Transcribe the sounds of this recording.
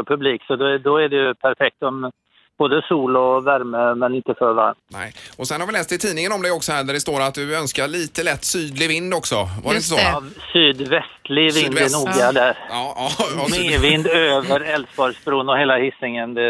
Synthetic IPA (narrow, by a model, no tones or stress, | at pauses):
pʰɵbliːksɔd̪d̪ɔæɖɛjɵpʰæɾfɛk̚t̪ɔm | b̥oːd̪əsuːlɔvæɾməmɛnɪnt̪ːəfœɾva̰ɾmnɛ̰ɪɔsɛnhɑɾvɪlɛːst̪ɪt̪ʰiːnɪŋənɔmd̪ɛjɔksɔhæːɖæɖɛst̪oːɾat̪̚d̪ɵœnskaɭiːt̪əlɛt̪ːsyːd̪lɪvɪnd̪ɔksɔvaɾɛɪnəsɔvsyːd̪vɛst̪lɪɡvɪnd̪ɛnuːɡad̪æɾ | mevɪnd̪øːvəɾɛlsbɑɾspɾuːnɔheːlahɪsɪŋənd̪ɛ